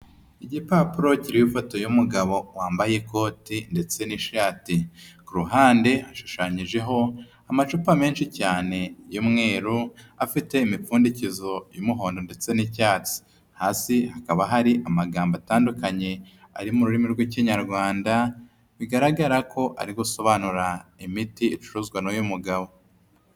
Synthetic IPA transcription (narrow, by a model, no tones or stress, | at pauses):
iɟipapuɾo̞ciɾiwifoto̞jumuɡaβo̞waːmbajeko̞ːtinde̞t͡se̞niʃaːtikuɾuɦaːnde̞haʃu̥ʃaɲiʒe̞ɦo̞ | amat͡ʃupame̞ːnʃicaːne̞jumŋe̞ːɾuafite̞imifuːndicizo̞jumuɦo̞ːndo̞nde̞t͡se̞nicaːt͡si̥ | haːsihakaβaɦaɾiʔamaɡaːmbataːndukaɲe̞ | a̰ɾimuɾuɾimiɾɡweciɲaɾɡwaːnda | βiɡaɾaɡaɾakʰo̞ʔa̰ɾiɡuso̞βanuɾaimitiit͡ʃu̥ɾuzɡwanojumuɡaβo̞